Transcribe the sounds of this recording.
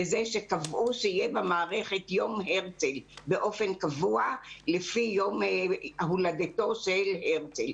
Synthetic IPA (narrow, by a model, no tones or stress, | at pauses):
ezeʃekavʔuʃeijebemaːʁeχe̞tjo̞mɦeʁt͡selbeʔo̞fe̞nkavualefijomhuladeto̞ʃelheʁt͡sel